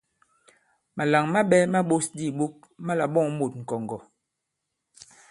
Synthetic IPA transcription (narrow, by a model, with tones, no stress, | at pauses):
ma˨la˨ŋma˦ɓɛ˦ma˦ɓo˦sdi˦˨ɓu˦k̚ | ma˦la˨ɓɔ˦˨ŋmo˨t̚ŋ̩˨kɔ˨ŋɡɔ˨